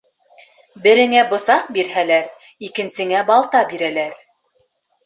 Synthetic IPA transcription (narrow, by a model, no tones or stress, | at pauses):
bɘ̆ɾɘ̆ŋæbŏsɑq̚biɾhælæɾ | ikɘ̆nsɘ̆ŋæbɑlˠt̪ɑbiɾælæɾ